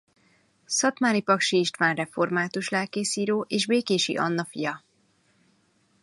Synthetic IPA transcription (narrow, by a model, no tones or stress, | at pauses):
sɒt̪maːɾipɒkʃiʃt̪ʋaːnrɛfo̞rmaːt̪uʃlaːkeːsiːɾoːʔeːʒbeːkeːʃḭʔɒ̰nːɒfijɒ